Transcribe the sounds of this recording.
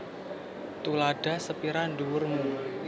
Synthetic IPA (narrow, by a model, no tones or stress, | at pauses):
t̪ulaɖ̥a̤səpiɾanduwʊrmu